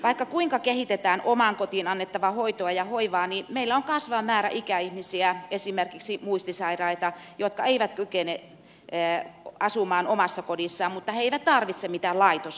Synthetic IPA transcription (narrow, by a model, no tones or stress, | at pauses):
ʋɑikːɑkuiŋkɑkehit̪et̪æːnʔomɑŋkot̪inɑnːet̪ːɑʋɑhoit̪oɑjɑhoiʋɑːnimeilːæoŋkɑsʋɑmæːɾæ̰ʔikæihmisiæesimerkiksimuist̪isɑirɑit̪ɑjot̪kɑeiʋæt̪kykene | ɑsumɑːnomɑsːɑkodisːɑːmmut̪ːɑheeiʋæt̪t̪ɑrʋit̪semit̪ælɑit̪os